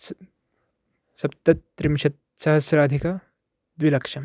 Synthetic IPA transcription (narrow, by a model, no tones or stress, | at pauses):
sɐpt̪ɐt̪ɾimʃɐt̪̚ | sɐɦɐsɾaːd̪ʱika | d̪ʋilɐkʂɐm